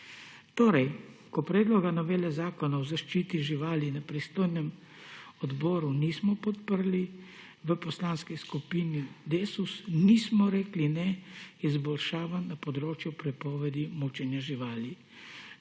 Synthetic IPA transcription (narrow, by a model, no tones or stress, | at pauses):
t̪oːɾɛjkɔpɾɛːd̪lɔɡanɔʋeːlɛzaːkɔnaɔzaʃt͡ʃiːt̪iʒiʋaːlinapɾist̪oːjnɛm | ɔd̪bɔːɾunismɔpɔt̪pəɾli | ʋəpɔslaːnskiskupinid̪eːsusnismɔɾeːklinɛizbɔlʃaːʋannːapɔd̪ɾoːt͡ʃjupɾɛpɔːʋɛd̪imut͡ʃɛnjaʒiʋaːli